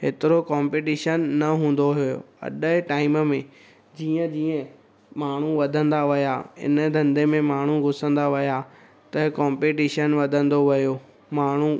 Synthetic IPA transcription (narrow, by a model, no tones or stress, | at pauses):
ɦɪt̪ɪɾokãːmpeːʈiːʃənːɐɦũːn̆d̪oɦijo̰ɐ̰ɗəʈaːɪməmẽ | d͡ʑiːə̃d͡ʑiːə̃ | maːɳ̤uʋɐd̪ʱə̃nd̪aʋɐjaɪ̰nəd̪ʱɐ̃nd̪emẽmaːɳ̤uɡʱʊsə̃nd̪aʋɐja | t̪ɐkaːmpeːʈiːʃənʋɐd̪ʱə̃nd̪oʋɐjo | maːɳ̤u